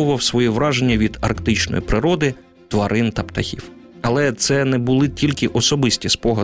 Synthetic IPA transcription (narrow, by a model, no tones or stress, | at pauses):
ʊʋɐwsʋɔjiʋɾɑʒenʲːɐʋʲid̪ɐrkt̪ɪt͡ʃnɔ̰jḭpɾɪɾɔd̪ɪ | t̪ʋɐɾʔɪnt̪ɐpt̪ɐxʲḭw | ɐlˠɛt̪sɛnɛbʊlˠɪtʲilʲkɪʔɔsɔbɪsʲtʲispɔɦɐ